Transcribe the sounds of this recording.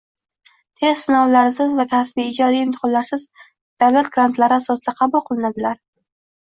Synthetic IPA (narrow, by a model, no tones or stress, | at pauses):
t̪ʰe̞zsɪnɒwlaɾsɪzvak̪ʲʰasbiɪd͡ʒɒd̪ijɪmt̪ʰɪ̥χɒllaɾsɪz | d̪̥awlat̪̚ɡɾant̪laɾɪasɒsɪd̪aqʰɑbʊlˠqʰɨlˠɪnad̪ɪlaɾ